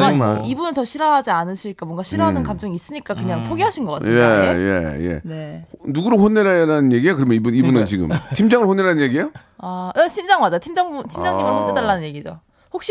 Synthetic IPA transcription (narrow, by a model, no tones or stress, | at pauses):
aibunɯntʌɕʰiɾʌɦad͡ʑianɯɕʰiɭk͈amwʌŋɡaɕʰiɾʌɦanɯnkamt͡ɕ͈ʌŋiːs͈ɯɲik͈akɯɲaŋpʰoɡeɦaɕʰinɡʌk͈ateje̞̰jḛne̞nuɡuɾoɸonːeɾaɾanɯnje̞ɡiejokɯɾʌmjʌibunibunɯnt͡ɕiɡɯ̰mtʰimd͡ʑaŋɯɭɸonːeɾanɯnjeɡiejo | aet͡ɕʰind͡ʑaŋmad͡ʑaotʰimd͡ʑaŋbutʰimd͡ʑaŋɲimɯnhondedaɭːanɯnje̞ɡid͡ʑo̰ | hok̚ɕ͈i